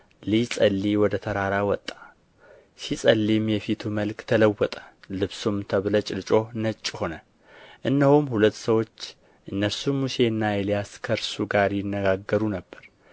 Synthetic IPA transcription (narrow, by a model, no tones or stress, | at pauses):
lisʼəlːiwɔd̪ət̪ʰəɾaɾawɔt̪ʼːḁ | sisʼəlːimjɛfit̪ʰuməlkt̪ʰələwːɔt̪ʼə̥lɨβsumt̪ʰəβlət͡ʃʼɪlɨt͡ʃʼo̞nət͡ʃʼːho̞nə | ʔɨnːəhumhulət̪ːsəwo̞t͡ʃː | ʔɨnːəɾsumːuse̞nːajɛlijaskʰəɾsuɡaɾjɪnːəɡaɡːəɾunəbːəɾ